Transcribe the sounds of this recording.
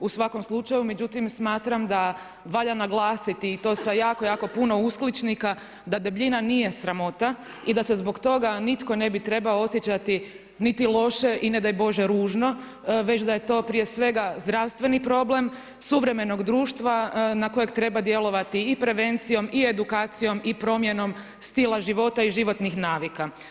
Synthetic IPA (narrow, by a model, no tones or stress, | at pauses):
usʋako̞mslˠut͡ʃajume̞d͡ʒut̪imsmaːt̪ɾamd̪a | ʋaʎanaɡlˠaːsit̪iːt̪o̞ːsajaːko̞jaːko̞puno̞usklit͡ʃnika | d̪ad̪e̞bʎinanije̞sɾamo̞t̪a | id̪ase̞zbo̞kt̪o̞ɡanit̪ko̞ne̞bit̪ɾe̞baoo̞sjet͡ɕat̪i | nit̪ilˠo̞ʃe̞ʔine̞d̪ajbo̞ʒe̞ɾuːʒno̞ | ʋet͡ɕd̪aje̞t̪o̞pɾije̞sʋe̞ɡazd̪ɾaʋst̪ʋe̞nipɾo̞ble̞m | suʋɾe̞me̞no̞ɡd̪ɾuːʃt̪ʋanako̞jekt̪ɾe̞bad̪je̞lo̞ʋat̪iːpɾe̞ʋe̞nt̪sijo̞mie̞d̪ukaːt̪sijo̞mipɾo̞mje̞no̞m | st̪ilˠaʒiʋo̞t̪aiʒiʋo̞t̪nixnaːʋika